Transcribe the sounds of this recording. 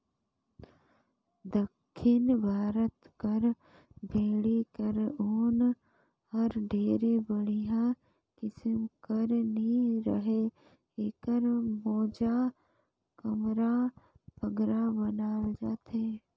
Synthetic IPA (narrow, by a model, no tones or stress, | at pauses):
d̪əkʰːɪnbʱaːɾət̪kəɾ | bʱeːɽikəɾoːn | hɐɾɖʱeːɾebəɽijã | kɪsəmkəɾnɦĩɾəɦe | eːkəɾmɔːd͡ʒa | kəmɾa | pəɡɾabənaːld͡ʒaːt̪eː